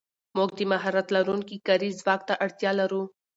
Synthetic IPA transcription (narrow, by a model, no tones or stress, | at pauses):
moːɡ̚d̪imaɦaɾɐt̪lɐɾuːnkikɐɾiːzʋaːkt̪aʔɐɽt̪jaːlɐɾu